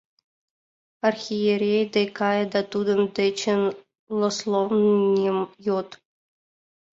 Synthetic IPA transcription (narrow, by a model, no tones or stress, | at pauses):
arxʲijeɾʲejd̪ejkɑjəd̪at̪ud̪əmd̪ɘ̆t͡ɕən | lˠoslˠovnʲimjot̪